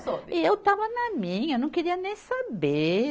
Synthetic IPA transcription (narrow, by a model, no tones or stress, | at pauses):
soiewt̪avɐnɐmĩɲɐnɐ̃w̃keɾiɐnẽj̃sabe